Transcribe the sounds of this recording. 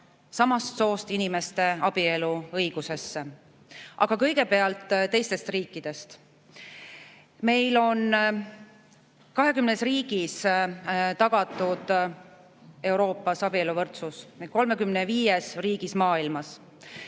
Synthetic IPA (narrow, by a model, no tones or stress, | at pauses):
sɑmɑst̪so̞ːst̪inime̞st̪e̞ɑb̥ie̞luɤjɡ̥use̞sːe | ʔɑɡ̥ɑkɤjɡe̞pe̞ɑlt̪ːˑt̪ːe̞jst̪e̞st̪riːkˑːid̪̥e̞st̪ | me̞jlo̞n | kɑɦe̞kymnesriːɡ̥is | t̪ɑɡ̥ɑt̪ːˑud̪̥ | e̞wɾo̞ːpːˑɑsɑb̥ieluvɤrt̪susko̞lme̞kymneviːjesriːɡ̥ismɑːilmɑs